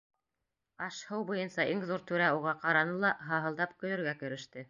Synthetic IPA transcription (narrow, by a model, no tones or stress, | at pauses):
ɑʃhɤwbŏjɤnsɑʔiŋðuɾt̪ʉɾæuʁɑqɑɾɑnɤlˠɑɦɑɦɤ̆lˠd̪ɑpkɵ̆jɵ̆ɾɡækɵ̆ɾɘ̆ʃt̪ɘ